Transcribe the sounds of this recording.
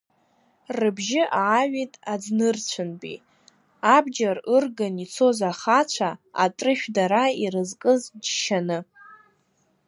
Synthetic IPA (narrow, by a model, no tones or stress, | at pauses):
rɨbʒɪʔaʕaɥʷᶣitʼad͡znɨrt͡ɕʷʰɨnbʼḭ | abd͡ʒarɨrɡanit͡sʰo̞zaχat͡ɕʷʰaa̰tʼrɨʃᶣdaɾaiɾɨzkʼɨzd͡ʒʃanɨ